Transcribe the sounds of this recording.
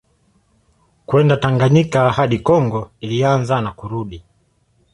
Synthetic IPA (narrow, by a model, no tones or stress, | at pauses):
kwɛndataŋɡaɲikahaɗikɔŋɡɔilianzanakuɾuɗi